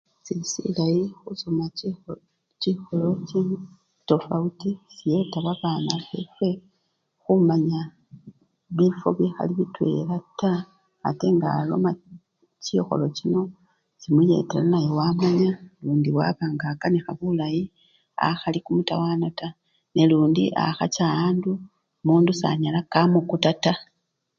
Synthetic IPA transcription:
siisḭlajixusoma | cixo̞lo̞ci | to̞fautisijo̞taβaβanaβḛfwe̞ | xumaɲa | βifo̞βixa̰liβitwe̞̰lataː | te̞ŋɡa̰ːlo̞̰ma | cixo̞̰lo̞cino̞ | t͡ʃimuje̞̰telanajowamaɲaluːndiwa̰βaŋɡakanexaβulaji | a̰xalikumutawanota | neluːndiʔa̰xa̰t͡ʃaːndu | muːndusa̰ɲalakamukutata

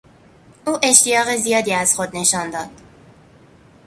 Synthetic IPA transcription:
ʔuːʔe̞ʃt̪ijɒːɣe̞zijɒːd̪iːæz̥xo̞d̪ne̞ʃɒːnd̪ɒːd̪̥

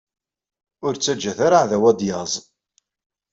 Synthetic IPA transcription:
ʊɾt͡sːæd͡ʒːæθaɾaʕðæwæd̪jɑzˤ

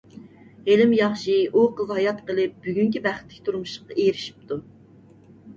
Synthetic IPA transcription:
helɪmjɑχʃiuqəzhɑjɑt̪qəlˠɨp̚byɡʲyŋkʲibæχɪ̥t̪ːɪ̥kʲɪt̪ʰuɾmuʃləqːɑejɾɪʃi̥p̚t̪ʰu

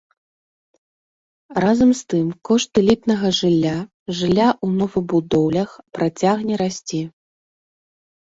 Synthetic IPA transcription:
razɐmst̪ɨmkɔʂt̪ɨlʲit̪nɐɣɐʐɨlʲːa | ʐɨlʲːaʔunɔvɨbud̪ɔwlʲɐxpɾat͡sʲaɣnʲɛɾasʲt͡sʲi

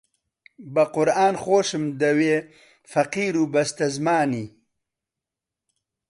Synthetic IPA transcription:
bɐqʊɾaːnχoːʂɨmd̪ɐwe | fɐqiːɾubɐst̪ɐzmaːni

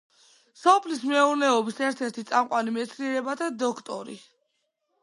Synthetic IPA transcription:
sɔpʰlismɛuɾnɛɔbisɛɾt̪ʰɛɾt̪ʰit̪sʼamqʼwanimɛt̪sʰniɛɾɛbat̪ʰad̪ɔkʰt̪ʼɔ̰ɾḭ

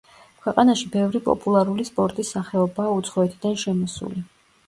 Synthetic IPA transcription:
kʰwɛqʼanaʃibɛvɾipʼɔ̰pʼulˠaɾulispʼɔɾt̪ʼisːaχɛɔbaːut̪sʰχɔɛt̪ʰid̪anʃɛmɔsṵli

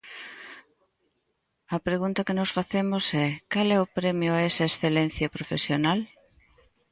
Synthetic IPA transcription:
ɐpɾeɣunt̪ɐkenosfaθemʊsɛkalɛʊpɾɛmjʊaɛsɐesθelɛ̃n̟θjɐpɾofesjonal

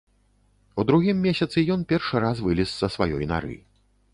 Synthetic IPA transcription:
ud̪ɾuɣʲimːʲesʲɐt̪sɨjɔnpʲɛrʂɨɾas̬vɨlʲist̪sɐsvajɔjna̰ɾɨ̰

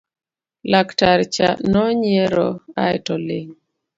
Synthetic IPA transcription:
laktaɾt͡ʃa̰nɔɲɪeɾɔaɛtɔlɪŋ

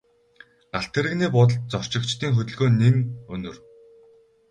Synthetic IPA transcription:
ɢaɬt̪xĕɾɘ̆ɣniːpʊt̪̬ə̆ɬt̪̚t͡sɔr̥t͡ɕɪ̆kt͡ɕt̪ʰiːŋxɵt̪ɵ̆ɮɣoːneŋɵnɵ̆r

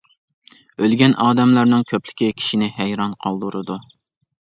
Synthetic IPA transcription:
ølɡʲɛnʔɑːd̪ɛmlæɾnɨŋkʲʰøplɪkʲikʲʰi̥ʃinɪhɛjɾɑnqʰɑlˠd̪uɾɨd̪u

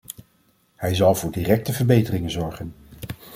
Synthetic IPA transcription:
hɛjzɑlˠvʊːɹdirɛk̚təvəɹbejtərɪŋənzɔɹχən

